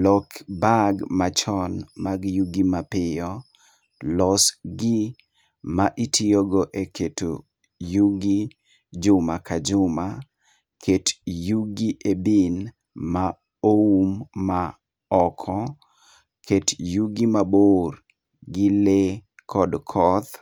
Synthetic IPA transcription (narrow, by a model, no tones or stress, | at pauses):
lɔkbaɡmat͡ʃɔnmaɡjuɡimapɪjɔ | lɔsɡɪ | maʔitʰioɡɔʔekʰeto | juɡi | d͡ʒʊmakad͡ʒʊma | kʰetjuɡiʔebin | ma | oumːa | ɔkʰɔ | kʰetjuɡimabor | ɡɪlekʰɔdkʰɔt̪